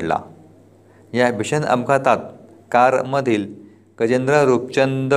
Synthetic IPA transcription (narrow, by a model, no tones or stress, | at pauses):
ʈla̰ | jabiɕənə̰mkʰat̪at̪̚ | kaɾməd̪ʱiːl | kəd͡ʑend̪ɾəɾup̚t͡ɕənd̪